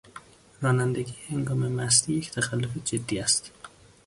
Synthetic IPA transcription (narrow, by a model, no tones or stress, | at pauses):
ɾɒːnænd̪eɡiːjeheŋɡɒːmemæs̬t̪ijecʰt̪ʰæxælːofed͡ʒed̪ːiːæst̪